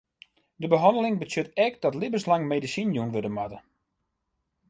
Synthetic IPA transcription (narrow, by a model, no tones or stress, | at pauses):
dəbəɦɔndəlɪŋbəsjøtɛkd̥ɔtlɪbəslaŋmedisinjunʋødəmatə